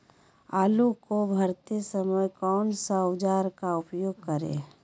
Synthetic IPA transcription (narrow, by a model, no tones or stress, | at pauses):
aːlukobʱəɾt̪esəməjkɔːnsaʊd͡ʒaːɾkaʊpjoːɡ̚kəɾḛː